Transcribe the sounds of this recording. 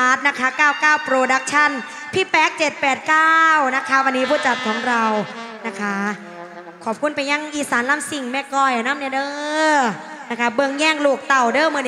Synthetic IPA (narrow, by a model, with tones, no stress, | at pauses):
aː˦˥t̪̚na˦˥kʰa˦˥kaː˥˩wkaː˥˩wpɾoː˧da˦˥k̚t͡ɕʰa˥˩n | pʰiː˥˩pɛː˦˥k̚t͡ɕe˨˩t̪̚pɛː˨˩t̪̚kaː˥˩wna˦˥kʰa˦˥wa˧nːiː˦˥pʰuː˥˩t̪̚t͡ɕa˨˩t̪̚kʰɔː˩˦ŋɾa˧wna˦˥kʰa˦˥ | kʰɔː˨˩p̚kʰu˧˥˨npa˧jːa˧˩ŋʔiː˧˩saː˩˦nlaː˧˥˩msi˨˩ŋmɛː˧˩kɔː˧˩jʔa˨˩naː˥˨mni˧˥˩dɤː˧ | na˦˥kʰa˦˥bɤ˧ŋjɛː˥˩ŋluː˨˩k̚t̪a˨˩wdɤː˥˩˨mɯ˧n˥